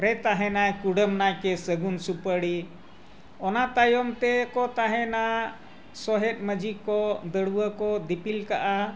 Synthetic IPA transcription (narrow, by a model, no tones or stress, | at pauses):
ɾɛt̪aɦɛ̃najkuɽəmnajkɛsəɡunsupəɽi | ɔnat̪ajɔmt̪ɛkɔt̪aɦɛna | sɔɦɛt̪̚məd͡ʒikɔd̪əɽuwəkɔd̪ipilkaʔa